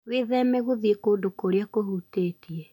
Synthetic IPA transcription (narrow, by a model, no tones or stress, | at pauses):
weðɛmɛɣoðiekoːdokoɾeakohuteːtiɛ